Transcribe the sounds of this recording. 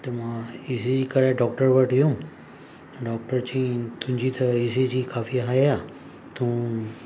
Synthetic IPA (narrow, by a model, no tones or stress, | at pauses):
t̪əmaisid͡ʑiːkəɾaɖɔk̚ʈəɾʋəʈjũ | ɖɔk̚ʈəɾt͡ɕĩt̪ũmd͡ʑiːt̪ʰəisid͡ʑikafiːɦaja | t̪ũː